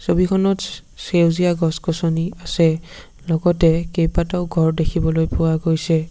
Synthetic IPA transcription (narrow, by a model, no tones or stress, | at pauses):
sobikʰɔnɔtsewzijaɡɔskɔsɔniasɛ | lɔɡɔtɛkejpataʊɡʱɔɹdekʰibɔlojpʊwaɡojsɛ